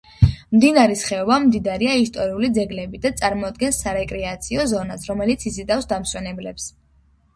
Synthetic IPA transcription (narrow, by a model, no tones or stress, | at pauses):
md̪inaɾisχɛɔbamd̪id̪aɾiaist̪ʼɔɾiulid̪zɛɡlɛbid̪at̪sʼaɾmɔd̪̚ɡɛnsːaɾɛkʼɾɛat̪sʰiɔzɔnasɾɔmɛlit̪sʰisid̪afsd̪amswɛnɛblɛps